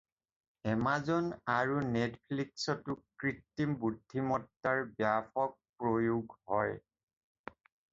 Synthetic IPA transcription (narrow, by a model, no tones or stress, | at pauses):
ɛmazɔnaɹunetpʰliksɔtʊkɹitːimbudʱimɔtːaɹbjapɔk̚pɹojuɡhɔj